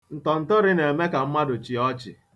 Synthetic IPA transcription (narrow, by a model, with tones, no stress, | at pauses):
n̩˨tɔ˨n̩˨tɔ˦ɾɪ˦ne˨me˦ka˨m̩˦ma˦dʊ˨t͡ʃi˨ɔ˦t͡ʃɪ̰˨